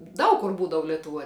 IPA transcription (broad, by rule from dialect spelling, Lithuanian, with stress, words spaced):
ˈdɐʊk kʊr ˈbuːdɐʋʊ lʲɛtʊˈʋuɔj